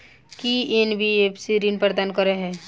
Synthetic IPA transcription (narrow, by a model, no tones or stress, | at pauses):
kienbiepsiɾinpɾd̪aːnkəɾeɦɛ̃ː